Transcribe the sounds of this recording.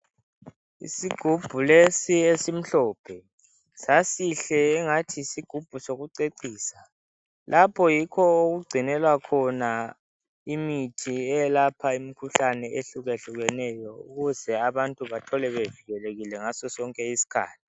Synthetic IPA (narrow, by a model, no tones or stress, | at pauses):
ḭsiɡ̥ʱub̥ʱulesiesim̩ɬɔːpʰɛ | sasiɬɛːŋatʰisiɡ̥ʱub̥ʱusoɣuǀeǀiːsa | lʔapʰɔjikʰɔoɣuɡ͡ǀʱinɛlwakʰɔna | imitʰiɛjlapʰaimikʰuɬanɛʔeɬuɣeɬuɣɛnɛjɔuɣuzɛaβantʼuβatʰɔlɛβeviɣɛleɣilɛŋasɔsɔŋkʼɛisi̥kʰa̰ːtʰi̥